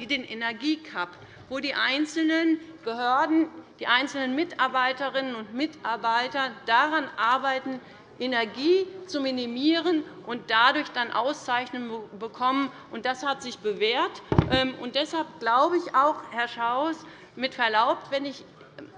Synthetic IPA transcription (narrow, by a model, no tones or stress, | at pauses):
ideːnʔenɛɐɡiːkʰap | voːdiːʔaɪnt͡sl̩nənb̥əhøːɐdn̩d̥iːʔaɪnt͡sl̩nənmɪtʔaɐbaɪtəʁɪnənʊntmɪtaɐbaɪtɐd̥aʁanʔaɐbaɪtn̩ | ʔenɛɐɡiːt͡suminimiːʁənʔʊnt̚d̥adʊɐçd̥anʔa̰ʊst͡saɪçnənbəkʰɔmən | ʔʊnt̚d̥ashatz̥ɪçb̥əveːɐtʔɛmʔʊntd̥ɛshalp̚ɡ̥laʊbəɪçaʊxhɛɐʃaʊs | mɪtfɛɐlaʊp̚tv̥ɛnɪç